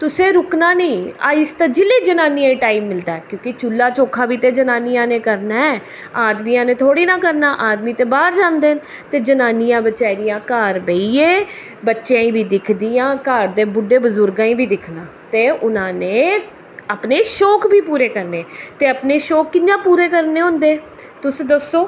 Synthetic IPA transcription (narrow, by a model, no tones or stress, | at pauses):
t̪ʊsẽːɾʊknaːnĩːaːɪst̪aːd͡ʒɪleːd͡ʒənaːniãːiːʈaːiːmːɪld̪aːɛkjõːkɪt͡ʃulːaːt͡ʃoːkʰãːbiːt̪eːd͡ʒənaːnijãːnẽːkəɾnaːɛ | aːd̪miːãːnẽːt̪ʰoːɽiːnãːkəɾnaːʔaːd̪miːt̪ẽːbaːɾd͡ʒãːnd̪eːn | t̪eːd͡ʒənaːnijãːbət͡ʃaːɾijãːkaːɾbeiːeː | bətːʃjãːĩːbʱiːd̪ɪkʰd̪ijãːkaːɾd̪eːbʊɖeːbəzʊɾɡãːĩːbiːd̪ɪkʰnaːt̪eːʔʊnãːneː | əpneːʃoːkbiːpuːɾeːkəɾneːt̪eːəpneːʃoːkːɪjãːpuːɾeːkəɾneːɦʊ̃nd̪eː | t̪ʊsd̪əsːoː